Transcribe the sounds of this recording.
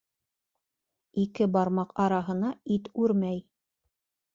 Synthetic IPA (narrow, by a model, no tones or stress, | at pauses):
ikɘbɑɾmɑqɑɾɑɦɤ̆nɑit̪ʉɾmæj